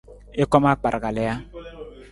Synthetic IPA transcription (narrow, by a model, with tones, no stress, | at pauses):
e˦kɔ˦ma˦k͡pa˨ɾɡa˨lɛ˨˦ja˦